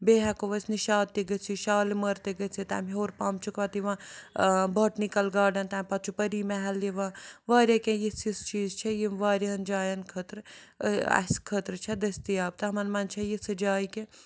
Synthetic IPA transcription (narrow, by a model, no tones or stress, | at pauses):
beːɦɐkoʋɐsniʃaːd̪iɡɐt͡sʰiʃaːlimɐɾt̪eɡɐt͡sʰit̪a̰ːmɦoːɾpaːmt͡ʃʰukʋɐt̪iʋã | boːʈnikɐlɡaːɖɐnt̪aːmpɐt̪̚t͡ʃʰupəɾiːmɛɦɛlːiʋãːʋaːɾʲɐkejisist͡ʃiːzt͡ʃʰɐjimʋaːɾɐnd͡ʒaːjɐnkʰət̪ɾ | ɐ̰skʰət̪ɾt͡ʃʰɐd̪ɐst̪ijaːb̚t̪ɐɦɐmɐnmɐnt͡ʃʰɐjisɐd͡ʒaːike